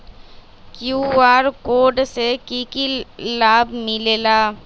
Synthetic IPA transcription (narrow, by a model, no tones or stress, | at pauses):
kjuːaːɾkoːɖsekikilaːbmɪleːlaː